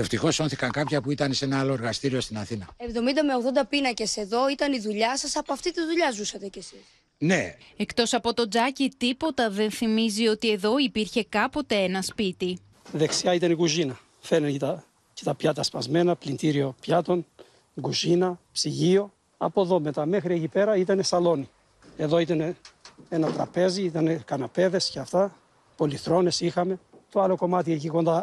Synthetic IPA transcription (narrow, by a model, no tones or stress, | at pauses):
e̞ft̪ixo̞so̞nθikɐŋkɐpçɐpuit̪ɐnese̞nɐɐlo̞eɾɣɐst̪iɾio̞st̪inɐθinɐe̞vðo̞mind̪ɐmeo̞ɣðo̞nd̪ɐpinɐce̞se̞ðo̞it̪ɐniðuʎɐsɐsɐpoɐft̪it̪izðuʎɐzusɐt̪e̞cesis | ne̞e̞kt̪o̞sɐpo̞t̪o̞d͡zɐcit̪ipo̞t̪ɐðe̞nθimizio̞t̪ie̞ðo̞ipiɾçe̞kɐpo̞t̪e̞e̞nɐspit̪i | ðe̞ksiɐit̪ɐnikuzinɐ | fenent̪ɐ | cet̪ɐpçɐt̪ɐspɐzme̞nɐplint̪iɾio̞pçɐt̪o̞n | ɡuzinɐpsiʝio̞ | ɐ̰po̞ðo̞met̪ɐme̞xɾiecipe̞ɾɐit̪ɐne̞sɐlo̞ni | e̞ðo̞it̪ɐneenɐt̪ɾɐpe̞ziit̪ɐnekɐnɐpe̞ðe̞sceɐft̪ɐ | po̞liθɾo̞ne̞sixɐme̞t̪oɐlo̞ko̞mɐt̪ieciko̞nd̪ɐ